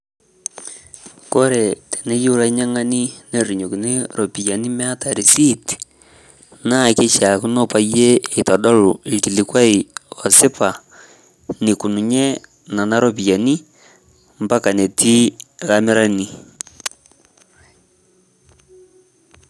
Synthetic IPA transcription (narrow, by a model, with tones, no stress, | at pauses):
ko˦ɾe˨te̥˨ne˦ju˦u˦la˦ɲa˦ŋa˦ni˦ne˨ɾi˨ɲo˨ki˨ne˦ɾo˨pi˨ja˨ni˦me˦a˦ta˨ɾi˨si˦t | na˦˨ke˦t͡ʃa˨ku˦no˦pa˦jeː˦˨ta˨ɗo˦lu˨i˨ti˨li˨kwa˦i˨o˨se˦pa˨ | ni˨ku˨nu˨ɲe˦ | na˨na˦ɾo˨p̬i˨ja˨ni˦ | mba˦ka˨ne˨ti˦ɣame˦ɾa˦ni˨